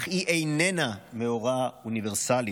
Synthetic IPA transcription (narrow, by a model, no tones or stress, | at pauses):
χiʔejnenameoʁauniveʁsali